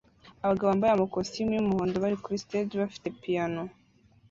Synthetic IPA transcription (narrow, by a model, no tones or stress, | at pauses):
aβaɡaβoambajamokosimiumuhoːndoβaɾikuɾisted͡ʒiβafi̥te̞pijano